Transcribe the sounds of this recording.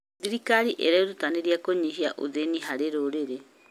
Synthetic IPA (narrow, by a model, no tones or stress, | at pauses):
ðiɾikaɾiʔḛɾaiɾut̪aniɾiakoɲiɦiaʔṵðeniɦaɾeɾoɾeɾe